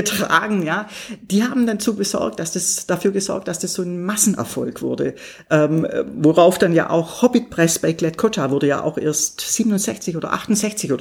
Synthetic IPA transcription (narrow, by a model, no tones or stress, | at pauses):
ətʁ̥a̰ːɡŋ̩jaːd̥iːhaːbm̩dant͡suːɡəzɔ̰ʁk̚td̥asd̥asd̥afyːɐɡəzɔ̰ɐk̚td̥asd̥asz̥oːnmasn̩ʔɛ̰ɐfɔ̰lkv̥ʊɐdə̰ | ʔɛmvoʁaʊfd̥anja̰ːʔa̰ʊxhɔbit̚pʁ̥ɛsb̥aɪklɛtkʰotʰavʊɐdəja̰ːʔa̰ʊxʔḛːɐstz̥iːbənʊnz̥ɛçt͡sɪçʔoːdɐ̰ʔa̰χtʊntz̥ɛçt͡sɪçoːd